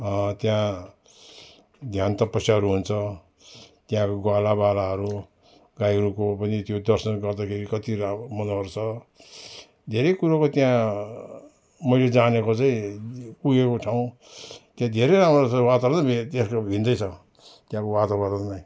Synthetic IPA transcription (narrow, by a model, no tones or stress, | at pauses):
ʌ̃t̪jã | d̪ʱjant̪ʌpʌsjaɦʌɾuɦunt͡sʰʌ | t̪jãkoɡwalabalaɦʌɾu | ɡajɾukopʌnit̪jod̪ʌrsʌnɡʌrd̪akʰeɾikʌt̪iɾamʌnʌrt͡sʰʌ | d̪ʱeɾʌjkuɾakot̪jã | mʌjled͡zanekot͡saĩpuɡekot͡sʰaw̃ | t̪jãd̪ʱeɾʌjɾamrot͡sʰʌwat̪aɾnʌbʱit̪eskobʱĩnd̪ʌjt͡sʰʌ | t̪jãkowat̪aɡʌrt̪anʌj